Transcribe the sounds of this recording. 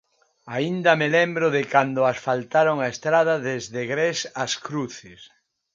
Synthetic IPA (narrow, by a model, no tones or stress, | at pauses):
aind̪ɐmelembɾʊðɪkand̪ʊasfalt̪aɾoŋaest̪ɾað̞ɐðezðeɣɾesaskɾuθɪs